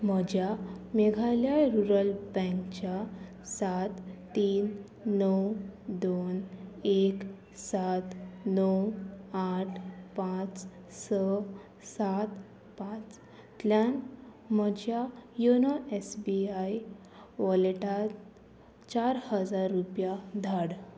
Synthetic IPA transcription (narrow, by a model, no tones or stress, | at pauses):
məd͡ʑʱjameɡʱaljajɾuɾəlbɛ̃ŋkt͡ɕja | sat̪ː | iːnː | əwd̪onek | sat̪nəwaʈʰpãt͡s | sə | sat̪ | pat͡s̪ | ljan | məd͡ʑjajonaesbiaj | ʋɔleʈat̪ | t͡ɕaɾhəd͡zaɾːupjad̪ʱaɽ